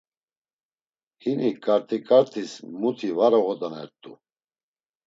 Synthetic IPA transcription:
hinikʼaɾt̪ʰikʼaɾt̪ʰismut̪ʰivaɾɔɣɔd̪anɛ̰ɾt̪ʼṵ

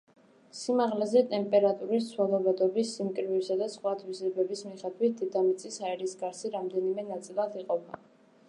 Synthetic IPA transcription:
simaʁlɛzɛt̪ʼɛmpʼɛɾat̪ʼuɾisswalˠɔvad̪ɔbisːimkʼɾvisad̪asχwat̪ʰvisɾɛbɛbismiχɛd̪wit̪̚d̪id̪amit̪sʼisaɛɾisɡaɾsiɾamd̪ɛnimɛnat̪sʼilˠad̪iqʼɔba

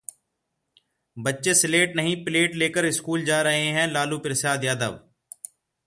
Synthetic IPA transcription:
bətːʃeːsɪleːʈnəɦĩːpɪleːʈleːkəɾɪskuːld͡ʒaːɾəɦẽɦɛ̃ːlaːluːpɪɾsaːd̪jaːd̪ə̰ʋ

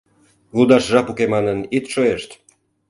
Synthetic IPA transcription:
uld̪ɑʃʒɑpukemɑnənit̪ʃoeʃt̪

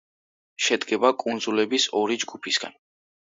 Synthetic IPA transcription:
ʃɛd̪ɡɛbakʼund̪zulɛbisɔɾid͡ʒɡupʰisɡ̥a̰n

